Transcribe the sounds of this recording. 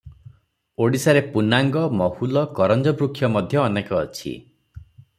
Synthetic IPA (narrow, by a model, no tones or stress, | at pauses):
oɽisaɾepunaŋɡɔmɔhulɔkɔɾɔnd͡ʒɔbɾukʰːjɔmɔd̪ʱjɔːnekɔ̰ːt͡ʃʰḭ